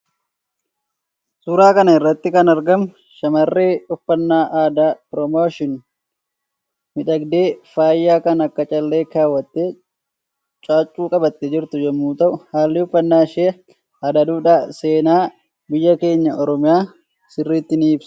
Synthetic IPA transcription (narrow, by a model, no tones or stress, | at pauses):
suːɾaːkɐnɐɪrːɐt̪ːɪkɐnɐɾɡɐm | ʃɐmɐrːeːʊfːɐnːaːʔaːd̪aːpɾɔmoːʃɪn | mɪᶑɐɡd̪e̞ːfaːjːaːkɐnɐkːɐt͡ʃʼɐlːeːkaːwːɐt̪ːeː | t͡ʃʼaːt͡ʃʼːuːkʼɐbɐt̪ːɛd͡ʒɪɾt̪ʊd͡ʒɛmːuːt̪ɐʔʊhaːlːɪʊfːɐnːaːʃɪ | aːd̪ɐd̪uːᶑaːse̞ːnaː | bɪjːɐke̞ːɲːɐɔɾɔmɪjaː | sɪrːiːt̪ːɪniːbs